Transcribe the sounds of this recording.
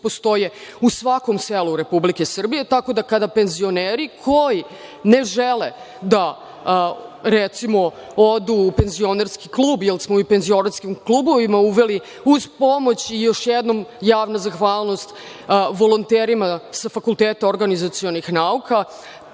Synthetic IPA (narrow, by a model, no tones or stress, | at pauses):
post̪o̞jeusʋako̞mseluɾe̞publikesr̩bije̞t̪ako̞d̪akad̪ape̞nzio̞neːɾikʰo̞ji | ne̞ʒɛle | d̪a | ɾɛt̪simo̞ | od̪upe̞nzio̞neɾskiklˠuːbjelˠsmoipe̞nzio̞naskimklˠubo̞ʋimauʋe̞li | uzpo̞mo̞t͡ɕijo̞ʃjɛd̪no̞mjaːʋnazaxʋaːlˠno̞st̪ | ʋo̞lˠont̪eɾimasafakulˠt̪eːt̪aoɾɡanizat̪sio̞nixnaukʰa